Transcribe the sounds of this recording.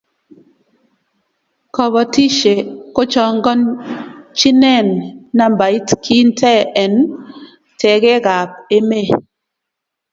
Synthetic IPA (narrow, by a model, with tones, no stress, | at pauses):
kɔ˨βɔ˨ti˦ʃe˨ko˦t͡ʃɔ˨ŋ˦ɡɔ˦n | t͡ʃi˦nɛ˦˨nːa˦m˨ba˨i˦tkʰi˦n̩˦tɛ˦ɛ˨n | tɛ˨ɡe˦ɡa˨p̚e˦me˦˨